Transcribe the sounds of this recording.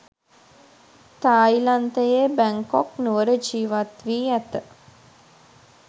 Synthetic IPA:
t̪aːjlant̪əjebæŋkɔknuʋəɾəd͡ʒiːʋat̪ʋiːæt̪ə

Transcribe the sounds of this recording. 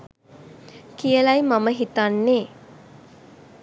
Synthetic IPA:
kijəlajmaməɦit̪anːeː

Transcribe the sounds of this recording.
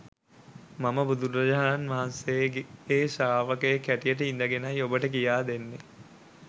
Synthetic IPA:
maməbud̪uɾɐd͡ʒaɦaːnanʋaɦansejɡeeːsaːʋəkəjekæʈijəʈ̬əind̪əɡenajobəʈək̬ijaːd̪enːe

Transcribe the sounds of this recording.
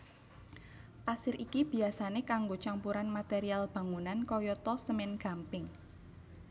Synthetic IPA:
pasɪɾikib̥i̤asanekaŋɡot͡ʃampuɾanmat̪eɾialb̥ä̤ŋunankɔjɔt̪ɔsəmɪnɡ̥a̤mpɪŋ

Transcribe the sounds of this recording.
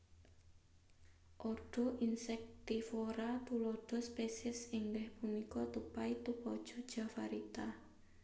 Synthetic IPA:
ʔɔɖ̥ɔ̤ʔinsɛk̚t̪ifoɾat̪ulɔɖ̥ɔ̤spesɛsiŋɡɛhpumikɔt̪upait̪upɔd̥ʒ̥ɔ̤d̥ʒ̥a̤fa̰ɾit̪a

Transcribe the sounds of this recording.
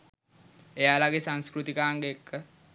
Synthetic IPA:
ejaːlaɡesaŋskɾut̪ikaːŋɡeekʰːə

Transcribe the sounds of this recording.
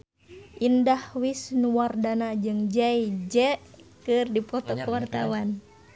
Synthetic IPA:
ʔindahwisnuwardanad͡ʒɨŋd͡ʒɛjd͡ʒɛʔkɨrdipɔt̪ɔkəwart̪awan

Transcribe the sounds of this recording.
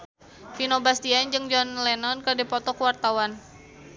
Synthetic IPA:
finobast̪iand͡ʒɨŋd͡ʒɔnlɛnɔnkərdɛpɔt̪ɔkəwart̪awan

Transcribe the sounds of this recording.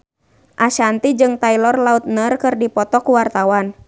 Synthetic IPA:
ʔaʃant̪id͡ʒɨŋt̪ailɔrlaut̪̚nərkɨrdipɔt̪ɔkuwart̪awan

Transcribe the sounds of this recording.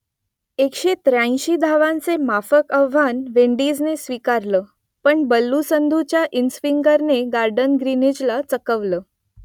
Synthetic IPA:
ekɕet̪ɾãj̃ɕiːd̪ʱaʋãnt͡semafəkəʋʋanʋeɳɖid͡znesʋikaɾləː | pəɳbəlːusənd̪ʱut͡ɕjaʔinsfiŋɡəɾneɡaɾɖənɡɾinid͡ʑlat͡səkəʋləː

